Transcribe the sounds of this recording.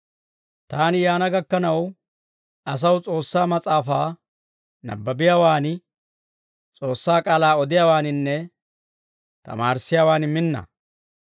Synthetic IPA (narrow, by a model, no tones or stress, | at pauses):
t̪aːnɪjaːnɐɡɐkːɐnɐw | ʔɐs̬ɐwt͡sʼo̞ːsːaːmɐt͡sʼaːfaː | nɐ̰bːɐbɪjaːwaːnɪ | t͡sʼoːsːaːkʼaːlaːɔd̪ɪjawaːnɪnːɛ | t̪ɐ̰maːɾsːɪjaːwaːnɪmɪnːɐ̰